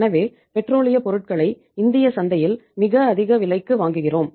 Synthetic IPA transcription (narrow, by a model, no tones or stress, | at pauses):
nɐʋeː | pɛʈroːɭɪjɐpɔɾɯʈ̚kɐɭɐɪ | ɪnd̪ɪjɐsɐnd̪ɐjɪlmɪɣɐːðɪɣɐʋɪlɐɪkːɯʋaːŋɡɯɣɪroːm